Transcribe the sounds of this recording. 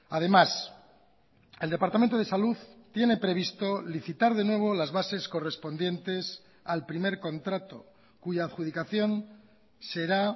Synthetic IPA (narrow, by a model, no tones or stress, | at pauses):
að̞e̞mas | e̞ld̪e̞paɾt̪amẽnt̪oðe̞saluðt̪je̞ne̞pɾe̞β̞ist̪o̞liθit̪aɾðe̞nwe̞β̞olazβase̞sko̞re̞spo̞nd̪je̞nt̪e̞s | alpɾime̞ɾko̞nt̪ɾat̪o̰ | kuʝaːðxuðikaθjo̞n | se̞ɾa